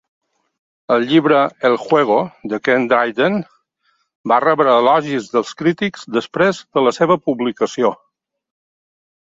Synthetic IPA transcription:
əlˠʎiβɾəelˠxwɛɣ̞od̪əkend̪ɾajd̪ən | barɛβɾəːlɔʒizðəlˠskɾit̪ikz̥d̪əspɾezd̪ələseβəpuβlikəsio

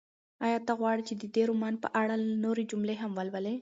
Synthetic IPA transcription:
ɑjɑt̪aɣwɑɽit͡ʃed̪əd̪eɾumɑnpə̰ʔaɽanoɾed͡ʒʊmleɦamwəlwəle

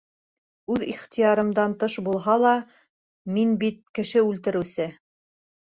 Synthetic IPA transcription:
ʉðiχt̪ijɑɾɤ̆md̪ɑnt̪ɤʃbulˠɦɑlˠɑ | minbit̪̚kɘ̆ʃɘʉlt̪ɘ̆ɾɘ̆wsɘ

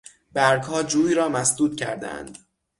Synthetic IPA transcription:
b̥æɾɡhɒːd͡ʒuːiːɾɒːmæsd̪uːt̪̚cʰæ̰ɾd̪æ̰æ̰nd̪̥

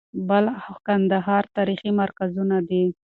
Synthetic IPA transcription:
bəlkand̪aɦɑɾt̪ɑɾiximaɾkazunad̪i

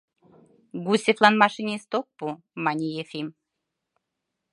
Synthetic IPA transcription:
ɡusʲeflˠɑnmɑʃinʲest̪ok̚pu | mɑnʲijefim

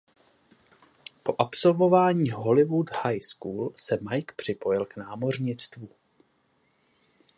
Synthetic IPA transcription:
po̞ʔapso̞lvo̞vaːɲiːɦo̞lɪvud̪hajskuːlsɛmajkpr̝̥ɪpo̞jɪlknaːmo̞rɲɪt͡st̪vu

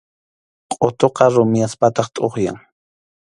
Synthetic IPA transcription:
qʼot̪oqɑɾʊmjaspat̪ɑχt̪ʼoχja̰ŋ

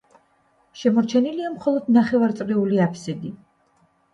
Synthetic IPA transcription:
ʃɛmɔɾt͡ʃʰɛniliamχɔlˠɔd̪naχɛvaɾt̪sʼɾiuliapʰsɛd̪i

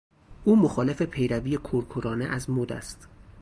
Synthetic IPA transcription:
ʔuːmoxɒːle̞fe̞pʰe̞jɾæviːjekʰoɾkʰoɾɒːneʔæzmod̪æ̰st̪

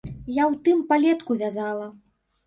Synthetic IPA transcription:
jawt̪ɨmpalʲɛt̪kuvʲazalˠɐ

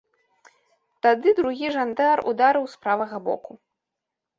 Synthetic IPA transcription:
t̪ad̪ɨd̪ɾuɣʲiʐand̪arṵd̪aɾɨwspɾavɐɣɐbɔ̰ku

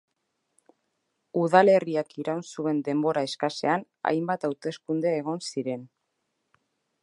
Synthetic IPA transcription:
uðale̞riakiɾawnsue̞nd̪e̞mbo̞ɾaeskase̞an | a̰jmbat̪awt̪e̞skund̪eːɣ̞o̞nsiɾe̞n

